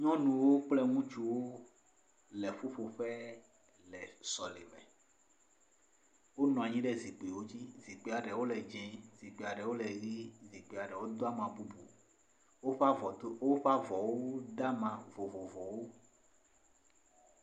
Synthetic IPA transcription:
ɲɔ̃˦nũ˨wo˦k͡plɛ˦ŋũ˦t͡ʃu˦wo˦ | lɛ˨ɸo˦ɸo˨ɸɛ˦ | lɛ˨sɔ˨lḛ˨mɛ̰̃˨ | wo˦nɔ̃˨a˨ɲĩ˦ɖɛ˦zi˨k͡pi˨wo˦d͡ʑi˦zi˨k͡pe˨a˨ɖɛ˨wo˦lɛ˨d͡ʒɛ̃˨zi˨k͡pe˨a˨ɖɛ˨wo˦lɛ˨ɣi˦zi˨k͡pe˨a˨ɖɛ˨wo˦d̪o˦a˦mã˨bu˦bu˨ | wo˦ɸa˦vɔ˨˦wo˦ɸa˦vɔ˨wo˦d̪a˦mã˨vɔ˨vɔ˨vɔ˨wo˦

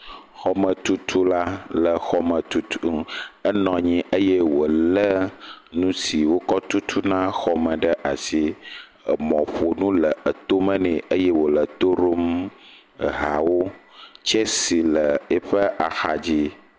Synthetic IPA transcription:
xɔ˦mə̃˨t̪u˦t̪ʰu˦la˦lə˨xɔ˦mə̃˨t̪u˦t̪u˦ə˦nɔ̃˨ɲĩ˦ʔə˦je˦wo˨lə˦nũ˦si˨wo˦kɔ˦t̪u˦t̪ʰu˦nã˦xɔ˨mə̃˨ɖə˦ʔa˨si˦˨ | mɔ̰̃˨ɸo˨nũ˦lə˨ə˨t̪o˦mə̃˦nɛ̃˨ʔə˦je˦wo˨lə˨t̪o˦ɾo˦m˨ | ɦa̰˨wo˦t͡ʃe˦si˨lə˨e˦ɸə˦ʔa˨xa˨d͡ʑi˦

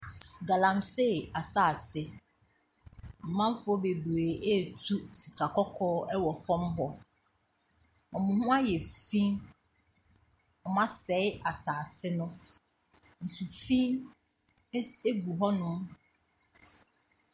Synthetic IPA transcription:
ɡa˨lã˨mse˦˨a˨saː˨sɪ˦ | m̩˨mã˦m˦fʊ˦ɔ˦be˨bu˨e˨ʔɛ˦˨tʰu˦si˨kʰa˨kʰɔ˦kʰɔː˦ɛ˦wɔ˨fɔ̃˦mɦɔ˨ | ɔ̃˨mʊ̃˨hʊ̃˦a˦jɛ˨fĩ˦ | ɔ˨mã˦sɛ˨˦ɪ˦a˨saː˨sɪ˦nʊ̃˦ | n̩˨su˨fĩ˦ | e˦ɡu˨ɦɔ˦nʊ̃˦m

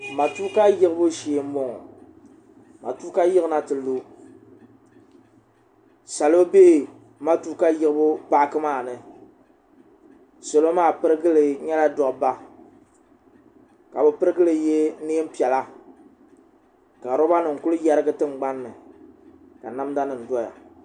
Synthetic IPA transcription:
ma˨tu˦ka˦jɪ˦ɣɨ˦bʊ˦ʃeː˨˦m̩˦bo˦ŋɔ˨ | ma̰˨tu˦ka˦jɪ˦ɣɨ˦na˦tɨ˨lo˦ | sa˨lo˦be˦ʔɪ˨ | ma˦tu˦ka˦jɪ˦ɣɨ˦bʊ˦pa˦kɨ˦maː˦˨nɨ˨ | so˨lo˦maː˦˨pɨ˦ɾɨ˦ɡɨ˦lɨ˨ɲɛ˦la˦dɔ˨ʔba˦ | ka˨bɨ˨pɨ˦ɾɨ˦ɡɨ˦lɨ˨je˦ne˦e˦m̩˦pi˨ɛ˨la˦ | ka˨ɾo˦ba˦nɨ˨ŋ̩˨kʊ˦lɨ˦ja˦ɾɨ˦ɡɨ˦tɨ˦m˨ɡ͡ba˦nːɨ˨ | ka̰˨na˦mda˦nɨ˨n̩˨dɔ˦ja̰˨

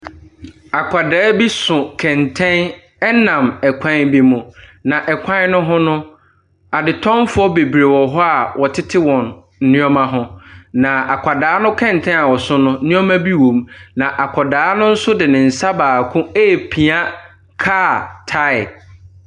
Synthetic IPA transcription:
a˨kʷʰa˨dɛː˨˦bi˦sʊ̃˨kʰɛ̃˨ntʰɛ̃˦n | ɛ˦nã˨mɛ˨kʷʰã˦nbi˦mʊ̃˨nã˨ʔɛ˨kʷʰã˦nʊ̃˦ɦʊ̃˦nʊ̃˦ | a˨dɪ˨tʰɔ̃˦mfʊ˦ɔ˦be˨bɾe˨wɔ˨ɦɔ˦a˨wʔɔ˨tʰɪ˦tʰɪ˦wɔ̃˨n̩˦ | nɪ̃˦ɔ˦mã˦ɦʊ̃˦nã˨a˨kʷʰa˨daː˨˦nʊ̃˦kʰɛ̃˦˨n˨tʰɛ̃˦a˨wɔ˨sʊ̃˦nʊ̃˦nɪ̃˦ɔ˦mã˦bi˦wõ˨mnã˨ʔa˨kʷʰɔ˨daː˨˦nʊ̃˦n̩˦sʊ˦dɪ˨nɪ̃˨n̩˨sa˦baː˨kʰʊ̃˦eː˦˨pʰĩ˨a˦ | kʰaː˦˨tʰa˦ɪ˨

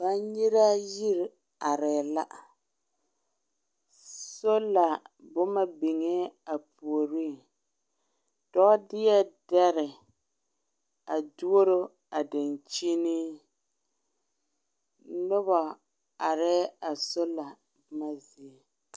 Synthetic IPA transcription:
ba˦ɲi˦ɾa˦ji˦ɾ | a˨ɾɛ˨la˦ʔa˨ | so˦la˨ | bʊ˦ma˦bi˨ŋɛ˦a˨pu˨o˨ɾi˦˨ | d̥ɔ˦ʔdɪ˦jɛ˦dɛ˦ɾɪ˨ | a˨du˦o˦ɾo˦ | a˨da˨nt͡ʃi˦ni˦ | nʊ˦ba˨ | a˨ɾɛ˦a˨so˦la˨ | bʊ˦ma˦zi˨e˨

